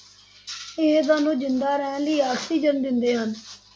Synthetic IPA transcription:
eːd̪̬aːnũːd͡ʒɪnd̪aːɾɛːnləiːaːkʰt̪iːd͡ʒənd̪ɪnd̪eːɦən

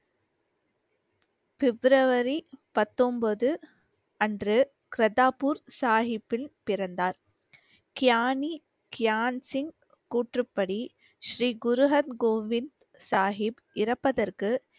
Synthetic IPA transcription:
fɛbɾɐʋɐɾipɐt̪ːɔmbɐðɯ | ɐndrɯ | kɪɾɐdaːpuːɾsaːɦɪpːɪlpɪɾɐnd̪aːɾ | kɪjaːni | kɪjaːnsɪŋɡ | kuːʈrɯpːɐɽi | ʃɾiːɡʊɾʊɦɐnɡoːʋɪnd̪ | saːɦɪb | ʔɪɾɐpːɐðɐrkɯ

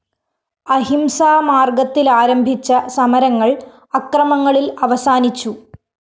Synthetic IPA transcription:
ɐɦimsaːmaːrɡɐt̪ːilaːɾɐmbʱit͡ɕːɐsɐmɐɾɐŋːɐɭ | ɐkrɐmɐŋːɐɭilɐʋɐsaːnit͡ɕːu

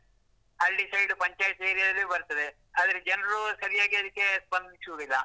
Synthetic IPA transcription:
ɦɐlɖisɐjɖupɐɲt͡ʃaːjʈeːɾijɐd̪ɐlːebɐɾt̪ɐd̪e | aːd̪ɐɾed͡ʒɐnɐɾusɐɾijaːɡiɐd̪ikːe̞spɐnd̪isoːɡilːa

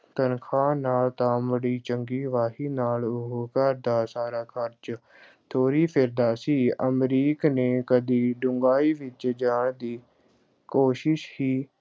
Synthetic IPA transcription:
t̪ənkʰaːnaːlt̪ãːməɽiːt͡ʃəŋɡiːʋaːɦiːnaːlʊɦkəɾd̪aːsaːɾaːkʰəɾt͡ʃ | t̪ʰoːɾiːpʰɪɾd̪aːsiːəmɾiːkneːkəd̪iːɖʊŋɡaːiːʋɪt͡ʃd͡ʒaːɳd̪iː | koːʃɪʃhiː

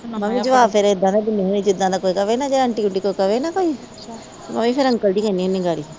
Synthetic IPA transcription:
məmĩːd͡ʒəʋaːbpʰɪɾɪd̪ãːd̪aːd̪ɪniːɦoːniːd͡ʒɪd̪ːãːd̪aːkoːikəʋeːnaːd͡ʒeːɾəɳʈiːkʊɳʈiːkoːikəʋeːnaːkoːiː | mə̰mĩːpʰɪɾəŋkəld̪iːkɛniːoːnĩɡaːɽiː

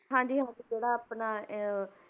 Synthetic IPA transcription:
ɦãːd͡ʒiːɦãːd͡ʒiːd͡ʒeːɽaːpnaː

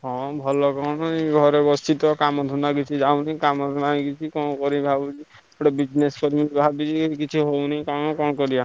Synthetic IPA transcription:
ɦɔ̃bʱɔlɔkɔnɔɡʱɔɾebɔst̪it̪ɔkamɔd̪ʱunakit͡ʃʰid͡ʒawnikamɔd̪ʱunaikit͡ʃʰikɔ̃kɔɾibʱabid͡ʒi | ɔʈabid͡ʒneskɔɾimibʱabid͡ʒikit͡ʃʰiɦownikamkɔñkɔɾija

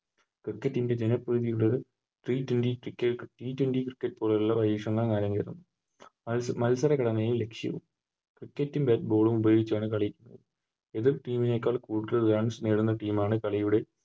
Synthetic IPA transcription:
krikːɐtːinde̞d͡ʑenɐpːrɨːðijuɽoɾu | ʈriːtwendikrikːɐʈiːtwenɖikrikːɐʈːpoɭɐɾulːɐʋɐjiːʂɐŋːɐɭkaːɾjɐŋkeɾɐnːu | mɐlsɐɾɐkɐɽɐnɐjumle̞kʂjɐ̰ʋṵm | krikːɐtːimbeːt̚bo̞ːɭumubɐjoːɡit͡ɕːaːɳɨkɐɭɐjikʲːunːɐ̰ðɨ | eðirʈiːmine̞kːaːɭkuːʈːɾaːɳɖsneːɽunːɐʈiːmaːɳɨkɐɭɐjuɽe̞

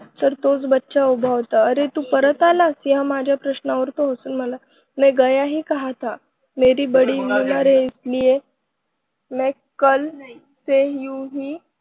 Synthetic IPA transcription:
təɾt̪ot͡sbətːɕawbʱaʋt̪aəɾet̪uːpəɾət̪alasiɦamad͡ʑʱjapɾəɕnaʋəɾt̪oɦəsuːnm̤əla | mɛ̃ɡəjaɦiːkəɦat̪a | meɾiːbəɽiːmilnaɾeislije | mɛ̃ | kəl | seɦjũɦiː

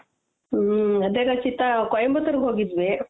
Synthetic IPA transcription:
ɐd̪eːkɐt͡ʃit̪ːakojɐmbɐt̪ɐɾɡɦoːɡid̪ʋe

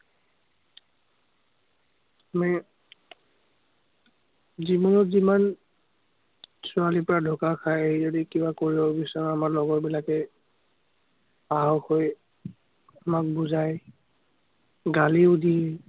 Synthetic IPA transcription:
ami | zibɔnɔtziman | sʊalipɔɹadʱɔkakʰajeizodikibakoɹibɔbisɔmamaɹlɔɡɔtbilakɛ | aɦɔxoj | amak̚buzaj | ɡaliudʱi

